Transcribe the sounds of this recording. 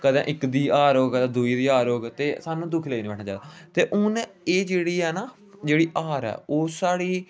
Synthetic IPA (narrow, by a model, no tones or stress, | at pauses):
kəd̪ẽːʔɪkd̪iːaːɾoːɡəd̪ãːd̪uːiːd̪iːaːɾoːɡt̪eːsaːnũːd̪ʊkʰləːiːniːbɛːʈʰnaːt͡ʃa̰ːd̪aːt̪eːʔʊn | eːd͡ʒeːɽiːɛːnaː | d͡ʒeːɽiːʔaːɾɛ̰ːoːsaːɽiː